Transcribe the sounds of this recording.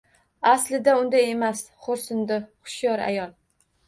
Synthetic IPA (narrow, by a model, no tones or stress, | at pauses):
aslɪd̪aʊnd̪ajemas | χoɾsʊnd̪ɪχʊ̥ʃjɒɾa̰jɒlˠ